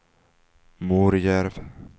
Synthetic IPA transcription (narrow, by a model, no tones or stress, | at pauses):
muɾjɛɾv